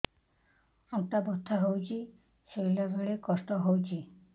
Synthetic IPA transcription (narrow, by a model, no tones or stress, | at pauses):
ɔŋʈ̪abɔt̪ʰːaɦowt͡ʃʰi | selebeɭekɔst̪ɔɦowt͡ʃʰi